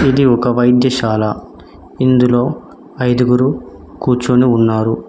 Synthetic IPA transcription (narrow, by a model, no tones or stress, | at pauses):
id̪iɔkɐʋɐjd̪jɐʃaːla | ind̪ulo̞ː | ɐjd̪uɡuɾu | kuːt͡ʃoːniunːaːɾu